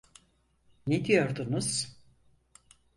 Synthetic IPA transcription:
ned̪ijo̞ɾd̪unuz̥

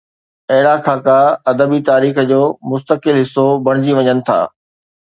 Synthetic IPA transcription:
ɐɦɪɽakʰaːkaɐd̪əbit̪aːɾiːxəd͡ʑoːmʊst̪əkɪlɦɪsːobɐɽ̃ɪd͡ʑiʋɐɲənɪ̆t̪ʰa̰ː

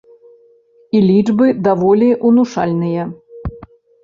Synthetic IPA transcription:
ilʲid͡ʐbɨd̪avɔlʲiʔunuʂa̰lʲnɨjɐ

